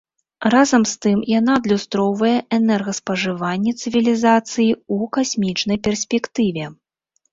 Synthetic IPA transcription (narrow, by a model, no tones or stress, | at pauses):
razɐmst̪ɨmjan̪ad̪lʲust̪ɾɔwvɐjɛɛnɛrɣɐspɐʐɨvanʲːɛt̪sɨvʲilʲizat̪sɨjiukasʲmʲit͡ʂn̪ɐjpʲɛrsʲpʲɛkt̪ɨvʲɛ